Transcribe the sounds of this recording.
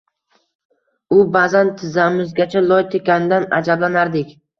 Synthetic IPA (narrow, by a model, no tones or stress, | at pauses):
ʊbazant̪ʰɪzamɪzɡʲat͡ʃʰalˠɒjt̪ʰekʲanɪd̪ana̰d͡ʒablanaɾd̪ɪkʲ